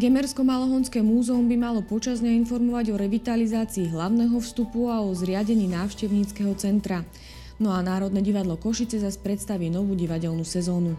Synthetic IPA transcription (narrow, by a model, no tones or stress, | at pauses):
ɡɛmɛɾskɔmalɔɦɔnskɛːmuːzɛumbimalɔpɔt͡ʃazɲainfɔɾmɔʋaɟɔɾɛʋit̪alizaːt͡siːɦlaʊnɛɦɔfst̪upuaɔzɾɪaɟɛɲiːnaːʊʃcɛʊɲiːt͡skɛɦɔt͡sɛnt̪ɾa | nɔanaːɾɔd̪nɛɟiʋad̪lɔkɔʃit͡sɛzaspɾɛt̪st̪aʋiːnɔʋuːɟiʋaɟɛlnusɛzɔːnu